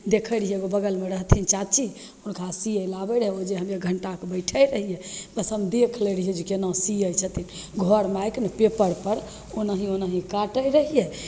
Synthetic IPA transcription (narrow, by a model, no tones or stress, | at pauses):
d̪ekʰəɾɦijeɡobəɡəlmeɾəɦt̪ʰint͡ʃat͡ʃʰi | onkʰasiəjlabəɾɦɛod͡ʒeɦəmjeɡʱəɳʈakebəɪʈʰəjɾəɦijɛbəsɦəmd̪ekʰləɾəɦiɛd͡ʒukenɔ̃siəjt͡ʃʰət̪inɡʱɔɾmajknəpepəɾpəɾ | onaɦionaɦĩkaʈəjɾəɦijɛ